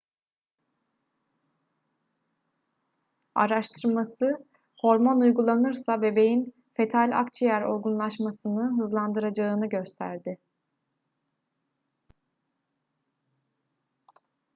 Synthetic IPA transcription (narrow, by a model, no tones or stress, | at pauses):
a̰ɾaʃt̪ʰɯɾmasɯ | ho̞ɾmonujɡulˠanɯɾsabe̞be̞jin | fe̞t̪ʰalʲa̰kt͡ʃʰjæɾo̞̰ɾɡunlˠaʃmasɯnɯɦɯzlˠand̪ɯɾad͡ʒaːnɯɟø̞st̪ʰæ̰ɾd̪ɪ